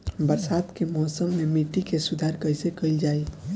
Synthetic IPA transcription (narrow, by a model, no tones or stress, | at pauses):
bəɾsaːd̪kemɔːsəmːemiʈːikesʊd̪ʱaɾkəjsekəild͡ʒaːi